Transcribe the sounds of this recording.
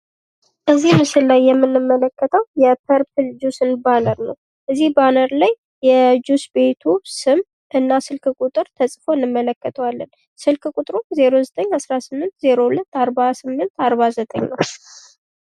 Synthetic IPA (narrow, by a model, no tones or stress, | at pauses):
ʔəzːihmɨsɨllajːɛmːɨnːɨmːələkːət̪ʰəwjɛpʰəɾpʰɨld͡ʒusɨnbanəɾnəw | ʔɨzːihbanəɾlajːɛd͡ʒusbe̞t̪ʰusɨm | ʔɨnːasɨlkʰɨkʼut̪ʼɨɾt̪ʰəsʼfo̞ɨnːɨmːələkːət̪ʰəwalːən | sɨlkɨkʼut̪ʼɾuze̞ɾozət̪ʼəɲːhasɾasɨmːɨnt̪ze̞ɾo̞hulət̪ːaɾbasɨmːɨnt̪aɾβazət̪ʼəɲnəw